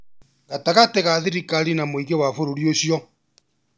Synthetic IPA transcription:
ɣataɣateɣaðiɾikaɾinamoiɣewafoɾoɾioɕjɔ

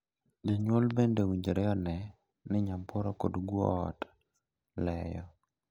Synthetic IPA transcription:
d͡ʒiɲwolbendewiɲd͡ʒɾɛɔnɛ | nɪɲampʰɔɾɔko̰dɡwɔ̰ːt | lɛjɔ

